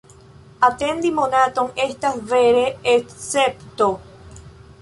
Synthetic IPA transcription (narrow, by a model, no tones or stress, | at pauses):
at̪ẽnd̪imõnat̪oŋest̪aveɾeesept̪o